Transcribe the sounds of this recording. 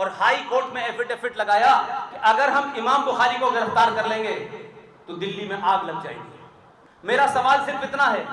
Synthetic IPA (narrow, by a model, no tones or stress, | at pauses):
ɔːɾhaːikoːɾʈmẽeːfɪʈeːfɪʈlɐɡaːjakiʔɐɡəɾɦɐmɪmaːmbʊxaːɾikoɡɪɾəft̪aːɾkɐɾlẽːŋɡe | t̪od̪ɪlːimẽʔaːɡlɐɡ̚d͡ʒa̰ːḭɡi | meːɾasɐʋaːlsɪɾfɪt̪naɦɛː